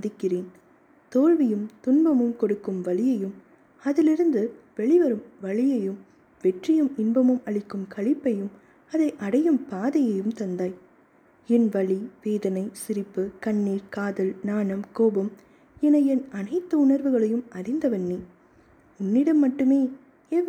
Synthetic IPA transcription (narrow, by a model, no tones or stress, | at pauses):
ɐðɪkːɪreːn | t̪oːɻʋɪjɯmt̪ʊnbɐmɯmkɔɽɯkːɯmʋɐɭɪjɐjɯm | ɐðɪlɪɾɯnd̪ɯ | ʋɛɭɪʋɐɾɯmʋɐɭɪjɐjɯm | ʋɛʈrɪjɯmɪnbɐmɯmɐɭɪkːɯmkɐɭɪpːɐjɯm | ɐðɐɪʔɐɽɐjɯmpaːðɐjɐjɯmt̪ɐnd̪aːj | ɛnʋɐɭiʋeːðɐnɐɪsɪɾɪpːɯkɐɳːiːɾkaːðɐlnaːnɐmkoːbɯm | ɛnɐjɛnɐnɐɪt̪ːɐʊɳɐɾʋɯɣɐɭɐjɯmɐrɪnd̪ɐʋɐnːi | ʊnːɪɽɐmːɐʈːɯmeː | ɛ